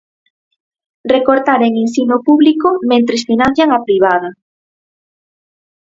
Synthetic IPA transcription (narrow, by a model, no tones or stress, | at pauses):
rekoɾt̪aɾeŋinsinopuβlikomẽnt̪ɾesfinan̟θjaŋapɾiβ̞aðɐ